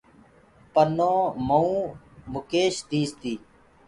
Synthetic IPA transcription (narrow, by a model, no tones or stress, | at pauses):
pənõːməũː | mʊkeːʃd̪iːst̪iː